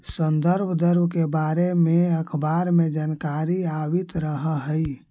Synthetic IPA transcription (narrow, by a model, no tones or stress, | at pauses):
sənd̪əɾbʱd̪əɾbkebaɾemeəkʰbaɾmed͡ʒankaɾiaʋit̪ɾəɦəɦəj